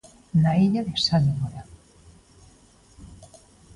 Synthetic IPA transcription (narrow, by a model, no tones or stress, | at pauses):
naiʎaðesaniɣoɾa